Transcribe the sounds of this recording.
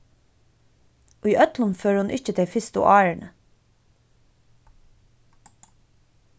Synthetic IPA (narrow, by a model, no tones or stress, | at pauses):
ʔʉjʔœt̪lənføːɹhʊnʔɪçt͡ʃət̪ʰɪfɪst̪ʊ̰ʔɑːɹɳə